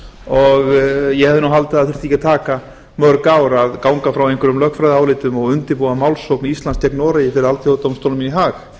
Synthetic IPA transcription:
ɔɣjɛhɛvðɪnawɦalt̪aaðθɪɾ̥t̪ʰiːcat̪ʰaːka | mœɾkaːwɾaðkawŋkafɾawejŋkʰʏɾʏmlœhkfɾajðaːwlɪːt̪ʏmɔɣʏnt̪ɪɾpuɣamawlsowknist̪lanskt̪ʰɛknɔːɾajɪfɪɾɪɾalt̪ʰjot̪omst̪owlminiɦaːx

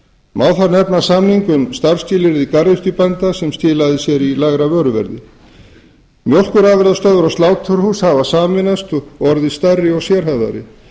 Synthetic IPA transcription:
maːwθanɛpnasamniŋkʏmst̪aɾ̥scɪːlɪɾðikaɾðɪst̪ʏpɛnt̪asɛmst̪ɪːlaðɪsjɛɾilaɣɾavœːɾʏvɛ̰ɾðɪ̰ | mjowl̥kʏɾaːvɪɾðast̪œːðʏɾɔst̪laːwt̪ʰːʏɾhushavasaːmɪnast̪ɔɾðɪst̪arːɪɔsjɛɾ̥hɛvða̰ɾɪ̰

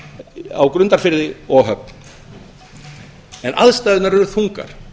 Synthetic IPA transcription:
a̰wkɾʏnt̪aɾfɪɾðɪɔɣɦœp̚n | ɛnʔa̰ðst̪ajðɪnaɾɛɾʏθuŋka̰ɾ̥

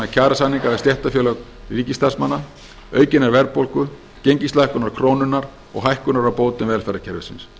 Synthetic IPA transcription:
acʰaːɾasanːiŋkaɾvast̪jɛht̪afjœːlœk | riːcist̪ḁsmanːa | œːɥcɪnːaɾvɛɾpowlkʏ | cejɲcist̪lajhkʏnaɾ̥kʰɾoːwnʏnːaɾ | ɔ̰ɣɦajhkʏnaɾawpoːwt̪ɪnvɛːlfɛɾacʰɛɾvʏ̰sɪ̰ns

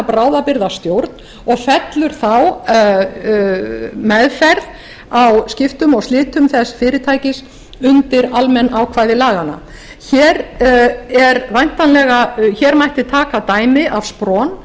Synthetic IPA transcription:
pɾaːwðapɪɾðast̪jowɾt̪n | ɔɣfɛt̪lʏɾ̥θaw | mɛðfɛɾð | awscɪft̪ʏmɔɣslɪːt̪ʏmθɛsfɪːɾɪt̪ʰaːjcɪs | ʏnt̪ɪɾalmɛnːawkʰvaːjðɪlaːɣana̰ | çɛːɾ | ɛɾvajn̥t̪anlɛɣaçɛɾmajht̪ɪt̪ʰaːkat̪aːjmɪʔav̥spɾɔːn

